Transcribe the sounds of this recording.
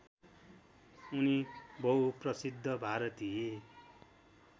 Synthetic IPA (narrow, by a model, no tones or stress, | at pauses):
unibʌuprʌsid̪ʱːʌbʱaɾʌt̪ie